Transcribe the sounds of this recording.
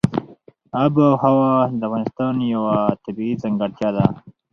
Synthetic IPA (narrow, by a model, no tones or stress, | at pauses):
abawhawad̪əafɣɑnɪst̪ɑnjawat̪abiizaŋɡaɽt̪jad̪a